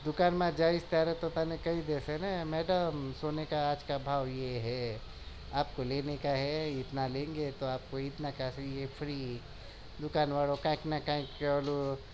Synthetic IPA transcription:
d̪ʊkaːnmãd͡ʒaːɪst̪jaːɾɦɛt̪ot̪aːnekɐid̪eːsɛnamɛːɖəmsoːnekaaːd͡ʒkabʱaːʋjeɦɛ | aːpkoleːnekaɦɛɪt̪nalẽːŋɡet̪oaːp̚koɪt̪nakasjepʰɾiː | d̪ʊkaːnʋaːɭokãːknakãːĩkːlo

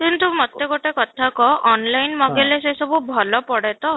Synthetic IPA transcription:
kint̪umɔt̪ːeɡoʈekɔt̪ʰakɔʔɔnlajnmɔɡelesesɔbubʱɔlɔpɔɽet̪ɔ

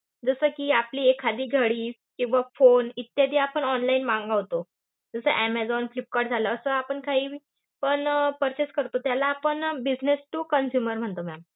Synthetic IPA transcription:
d͡zəsəːkiːapliːekʰːad̪iːɡʱəɽiː | kĩw̃ʋafonit̪jad̪iapəɳɔnlainmãŋɡaʋt̪o | d͡zəsə̰ʔæmæd͡zɔnflip̚kaɖ̚d͡zʱaləːsəapəɳkaɦiːʋi | pəɳpəɾt͡ɕeskəɾt̪ot̪jalaːpəɳbid͡ʑnesʈukənsjuməɾm̤əɳt̪omam

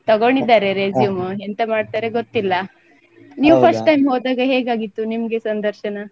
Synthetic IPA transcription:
t̪ɐɡoɳɖid̪ːaːɾe̞ɾeːzijumɦent̪ɐmaːɖt̪aːɾeɡot̪ːilːɐ | niːʋupʰɐsʈʈːɐjmɦoːd̪aːɡɐɦeːɡaːɡit̪ːunimɐɡe̞sɐnd̪ɐɾʃɐnɐ

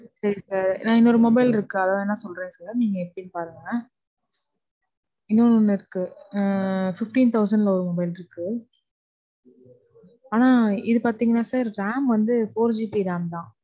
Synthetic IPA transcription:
sɐɾisaːɾnãːɪnːɔɾɯmɔbɐɪlɪɾɯkːɯɐðaːɛnːaːsɔlɾẽːsaːɾniːŋɡɐɛpːɐɽinːɯpaːɾɯŋɡɐnaː | ɪnːɔɾɔnːɐɪɾɯkːɯ | fɪfʈiːnt̪ʰɐʊs̬ɐɳɖlɐɔɾɯmɔbɐɪlɪɾɯkːɯ | aːnaːɪðɯpaːɾt̪iːŋɡɐnːaːsaːɾɾaːmʋɐnd̪ɯfoːɾd͡ʒiːpiɾaːmt̪ãː

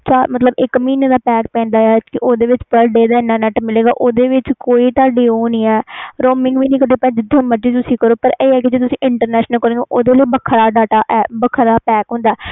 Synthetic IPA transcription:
t͡ʃaːmət̪ləbɪkmiːnːd̪aːpɛːk̚pɛ̃ːnd̪aːɛːkɪʔoːd̪eːʋɪt͡ʃpəɾɖeːd̪aːɪnːãːnɛʈmɪleːɡa̰ːʔoːd̪eːʋɪt͡ʃkoːiːt̪aːɖeːoːnĩːɛːɾoːmɪ̃ŋɡʋiːniːkəɾeːpɛ̃ːd͡ʒɪd̪ʱãməd͡ʒiːt̪ʊsĩːkəɾoːpəɾeːɛːkɪd͡ʒeːt̪̬ʊsĩːʔɪɳʈəɾnɛːʃnəlkəɾõːoʔoːd̪eːləiːbəkʰɾaːɖaːʈaːʔɛːbəkʰɾaːpɛːkɦʊ̃ːnd̪aːɛː

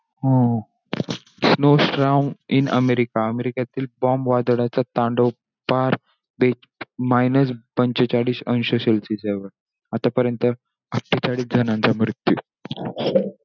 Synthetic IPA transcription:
ɦo | snosʈɾaminə̰meɾikaəmeɾikat̪iːlbɔmʋad̪ɽat͡sat̪ãɳɖo | paɾ | be | majnəs̬bəɲt͡ɕət͡ɕaɽiːɕənɕoɕelsid͡zeʋəɾ | at̪apəɾjənt̪ə | əkʈːit͡ɕaɽiːd͡zʱənãnt͡samɾut̪ju

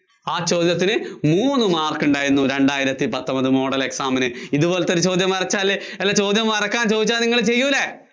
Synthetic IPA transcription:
aːt͡ɕo̞ːd̪jɐt̪̬ːinɨmuːnːɨmaːrkːuɳɖaːjiɾunːuɾe̞ɳɖaːjiɾɐt̪ːipɐt̪ːɐmbɐðɨmo̞ːɽɐle̞ksaːmɐnɨiðubo̞ːlɐt̪ːoɾut͡ɕo̞ːd̪jɐmɐrɐt͡ɕːaːle | elːɐt͡ɕo̞ːd̪jɐmɐrɐkːaːnt͡ɕoːd̪it͡ɕːaːlniŋːɐɭt͡ɕe̞jːuilːe

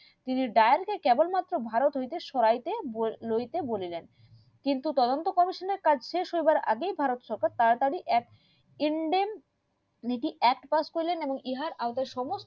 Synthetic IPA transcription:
t̪iniɖaeaɾkekɛbolmat̪ːɾobʱaɾot̪ɦojt̪eʃɔɾajt̪eblojt̪ebolilen | kint̪ut̪ɔd̪ont̪okɔmiʃoneɾkad͡ʑʱʃeʃɦojbaɾa̰ɡejbʱaɾot̪ʃɔɾkaɾt̪aɾt̪aɾiʔɛk | iɳɖem | niʈiʔɛk̚ʈpaskoɾileneboŋiɦaɾʔaot̪eɾʃɔmost

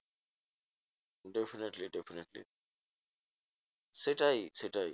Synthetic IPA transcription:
ɖefʰineʈliɖefʰineʈlḭ | seʈajseʈaj

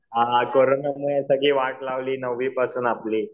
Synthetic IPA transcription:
ɦakoɾonamujẽsəɡʱiːʋaʈlaʋliːnəʋːiːpasuːnapliː

